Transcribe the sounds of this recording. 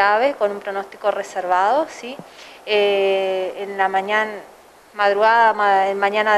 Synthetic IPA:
aβeko̞numpɾono̞st̪i̥koreseɾβaðosie | enlamaɲan | maðɾuɣaðaaenmaɲana

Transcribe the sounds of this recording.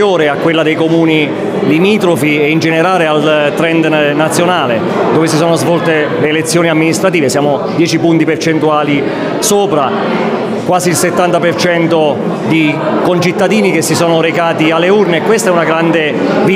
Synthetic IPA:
oːɾeakːwelːad̪ejkomuːni | limiːt̪ɾofiɛind͡ʒeneɾaːlealt̪ɾɛnd̪nat̪sːjonaːle | d̪oːvesisɔːnozvɔlt̪eleːlet̪sːjoːniamːinist̪ɾat̪iːvesjaːmod̪jɛːt͡ʃipunt̪ipert͡ʃent̪uaːli | soːpɾa | kwaːziːlset̪ːant̪apert͡ʃɛnt̪o | d̪i | kont͡ʃit̪ːad̪iːnikesːisɔːnoɾekaːt̪ialːeurneːkːwest̪aɛunaɡɾand̪e | vi

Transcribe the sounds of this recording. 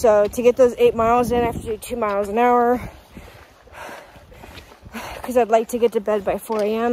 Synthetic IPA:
soʊɾɨɡɛt̪̚ðoʊzeɪt̚maɪlˠzɨ̃næftəɨtʰʉmaɪlˠzɨ̃naʊə˞ | kʰʌzaɪdˡlaɪk̚tʰɨɡɛtɨbɛd̚baɪfɔɹeɪɛ̃m

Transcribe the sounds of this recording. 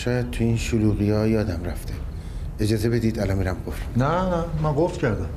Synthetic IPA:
ʃɒːjæd̪̚t̪ʰuiːnʃoluːɣijɒːjɒːd̪æmræft̪ʰe | ed͡ʒɒːze̞be̞d̪iːd̪ælɒnmiːɾæmɡoft̪nænæmæɡoft̪cʰæɾd̪æm

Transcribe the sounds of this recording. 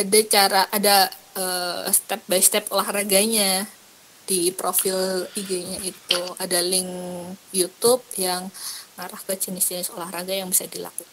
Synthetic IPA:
adat͡ʃaɾaʔada | əːst̪ɛp̚bast̪ɛpolahraɡaɲa | d̥ipɾofɪliɡeɲait̪uadalɪŋjut̪up̚jaŋmaɾahkət͡ʃɪnist̪iɲasəolahraɡajaŋbisadila̰kuka

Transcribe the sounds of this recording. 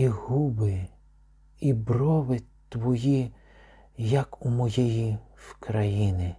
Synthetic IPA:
iɦubɪ | ibrɔʋɪt̪ʋɔji | jɐkumɔjɛjiwkɾɐjinɪ

